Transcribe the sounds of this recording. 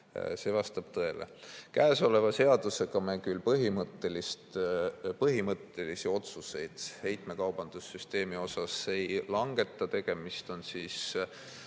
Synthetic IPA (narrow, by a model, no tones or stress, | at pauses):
se̞ːvɑst̪ɑb̥̚t̪ɤe̞lḛkæːso̞le̞vɑse̞ɑd̪̥use̞ɡɑmekylpɤɦimɤt̪ːe̞list̪pɤɦimɤt̪ːˑe̞lisio̞t̪suse̞jd̪̥he̞jt̪me̞kɑwb̥ɑnd̪̥usːyst̪e̞ːmio̞sɑse̞jlɑŋɡ̥e̞t̪ːˑɑt̪e̞ɡ̥e̞mist̪o̞nsiːs